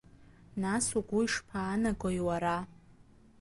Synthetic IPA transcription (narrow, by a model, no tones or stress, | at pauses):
nasuɡʷuiʂpʰaːnaɡʷajwaɾa